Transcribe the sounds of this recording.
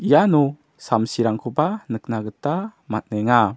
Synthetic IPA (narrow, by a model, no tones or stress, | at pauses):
ʔijanɔ | samsiɾaŋkʰubanək̚naɡətamat̚nɛŋa